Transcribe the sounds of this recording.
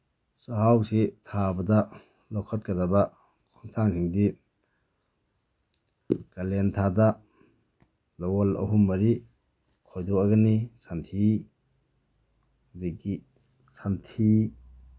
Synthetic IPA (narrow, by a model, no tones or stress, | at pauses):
sɔhawsitʰabɐdɐ | lɔkʰɔt̚kɐdaba | kʰɔŋtʰaŋsiŋdi | kalentʰada | lɔwɔlɐ̰ɦumːɐɾi | kʰɔjdɔaɡanisantʰi | hdiɡi | santʰi